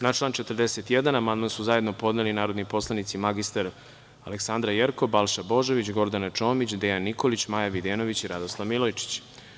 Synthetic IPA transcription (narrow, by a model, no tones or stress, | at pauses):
naʈ͡ʂlˠaːnt͡ʃet̪ərd̪eset̪jed̪anamand̪mansuzaje̞d̪nopo̞d̪nelinaːɾod̪nipo̞slˠanit̪simaɡist̪aɾ | aleksand̪ɾajeɾkobalˠʃabo̞ʒoʋit͡ɕɡo̞ɾd̪anat͡ʂo̞ːmit͡ɕd̪ejanːiko̞lit͡ɕmajaʋid̪eno̞ʋit͡ɕiɾad̪oslˠaʋmilˠojt͡ʃi̥t͡ɕ